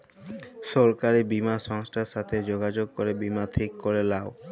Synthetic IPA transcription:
ʃɔɾkaɾibimaʃɔŋsʈʰaɾʃat̪ʰed͡ʑoɡad͡ʑoɡ̚koɾebimat̪ʰikːoɾelao

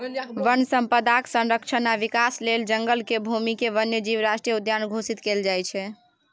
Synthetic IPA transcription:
ʋənsəmpəd̪aksə̃nɾəkt͡ʃʰənaʋikasleld͡ʒəŋɡəlkebʱumikeʋənjəd͡ʒiʋɾasʈɾijəud̪janɡʱosit̪keld͡ʒajt͡ʃʰɛ

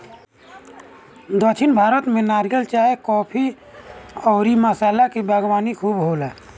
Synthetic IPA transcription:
d̪ət͡ʃʰɪnbʱaːɾət̪mẽnaːɾijəlt͡ʃaːekɔːpʰi | ɔːɾiməsaːlakibʱəɡwaːnikʰuːbɦoːlɛː

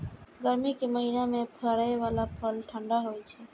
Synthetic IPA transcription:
ɡəɾmikeməɦinamẽpʰəɾaʋalapʰəlʈʰəɳɖaɦojt͡ʃʰɛ

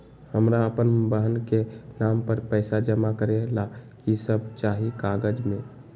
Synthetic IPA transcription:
həmɾaəpənbəɦənkenampəɾpəːsad͡ʒəmakəɾelakisəb̚t͡ʃaɦikaɡəd͡ʒmẽ

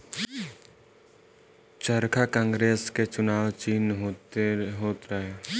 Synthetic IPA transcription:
t͡ʃəɾkʰakãːŋɡɾeːsket͡ʃʊnaːwt͡ʃiːnɦoɦoːt̪ɾaɦɛː

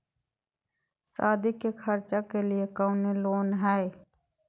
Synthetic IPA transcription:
saːd̪ikekʰəɾt͡ʃakeliekaʊneloːnɦɛe

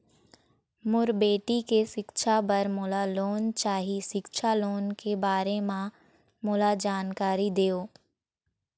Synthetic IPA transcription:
mʊɾbeːʈikeʃɪkʃʰabɐɾmʊːlaloːnt͡ʃaːɦiʃɪkʃʰaloːnkebaːɾemã | mʊlad͡ʒaːnkaːɾid̪eːoː

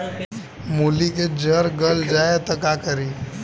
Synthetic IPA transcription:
muːliked͡ʒəɾɡəld͡ʒaːet̪ɐkakəɾi

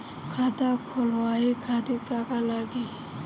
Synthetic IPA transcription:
kʰat̪akʰɔlwaikʰad̪ikakalaɡi

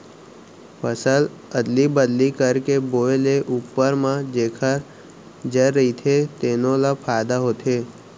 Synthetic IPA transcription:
pəsəl | əd̪libəd̪likəɾkeboːeleʔuːpːəɾmãd͡ʒeːkʰəɾ | d͡ʒəɾɾəit̪ʰet̪eːnõlapʰaːjd̪aɦoːt̪eː

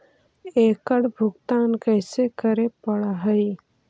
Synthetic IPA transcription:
eːkəɽbʱʊɡt̪aːnkəɪsekəɾepəɽaɦəj

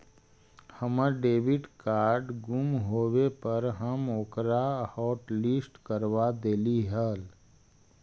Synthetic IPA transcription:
həməɖeːʋɪɖkaːɾɖɡʊmɦoːwepəɾɦəmoːkɾahɔːʈlisʈkəɾʋad̪eːliɦəl

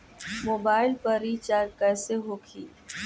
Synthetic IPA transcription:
moːbaːɪlpəɾit͡ʃaːɾkɛːseɦoːkʰiː

